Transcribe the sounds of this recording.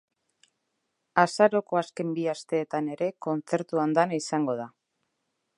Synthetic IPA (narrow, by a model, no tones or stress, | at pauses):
asaɾo̞ko̞aske̞mbiast̪e̞ːt̪ane̞ɾe̞ko̞nt͡se̞ɾt̪uand̪anaisaŋɡo̞ð̞a